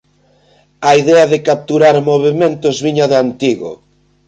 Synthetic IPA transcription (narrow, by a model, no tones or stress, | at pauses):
aiðɛɐðɪkap̚t̪uɾaɾmoβ̞emẽnt̪ozβiɲaðant̪iɣo̰